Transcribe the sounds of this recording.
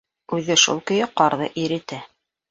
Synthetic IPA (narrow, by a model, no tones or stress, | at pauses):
ʉðɘʃṵlˠkɵ̆jɘqɑɾðɤ̰ʔiɾɘ̆t̪æ